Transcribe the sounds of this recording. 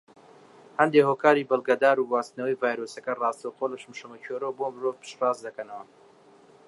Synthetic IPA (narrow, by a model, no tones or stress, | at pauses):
hɐnd̪ehoːkaːɾibɨlˠɡɐd̪aːɾuwaːst̪nɐwɐjvaːjɾoːsɐkɐrɑːst̪ɐwtolɐʃɨmʃɐmɐcʰoɾowbomɨɾovpʰɨ̥ʃrɑːzd̪ɐkɐnɐwɐ